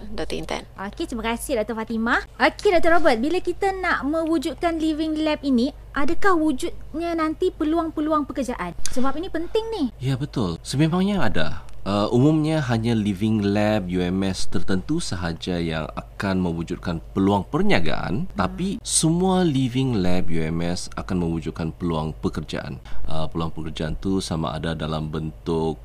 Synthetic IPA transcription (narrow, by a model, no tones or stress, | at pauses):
dat̪iint̪ɛ̰nʔoket̪ɾimakasɪhdaʔ̚t̪əfat̪imaʔokʰedat̪əɾobət̪̚bilakit̪anaʔmə̃wud͡ʒut̪̚kanlivɪŋlɛp̚ini | ʔadakahwud͡ʒut̪̚ɲanant̪ipəluaŋpəluaŋpəkərd͡ʒaʔansəbap̚inipənt̪ɪŋnɪhjabət̪ʊlsəmemaŋɲaada̰əʔumumɲaɦaɲãlivɪŋlɛb̚juɛmɛst̪ərt̪ənt̪usəɦad͡ʒaja̰ŋa̰kanmə̃wud͡ʒut̪̚kanpəluaŋpərɲaɡa̰ʔa̰nt̪apisəmualivɪŋlɛb̚juɛmɛsakanmə̃wud͡ʒuʊt̪̚kanpəluaŋpəkərd͡ʒa̰ʔa̰nəpəluaŋpəkərd͡ʒaʔant̪usama̰ʔa̰dadalambənt̪ʊk̚